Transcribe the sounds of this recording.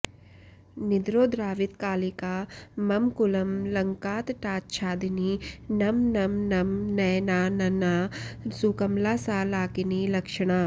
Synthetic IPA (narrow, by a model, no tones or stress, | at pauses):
nɪd̪ɾoːd̪ɾaːʋɪt̪kaːlikaːmɐmkʊlɐmlɐŋkaːt̪ʈaːt̪t͡ʃʰaːd̪ɪniːnɐmnɐmnɐmnɐːnaːnɐnaːsukɐmlaːsaːlaːkɪniːlɐkʃəɽ̃aː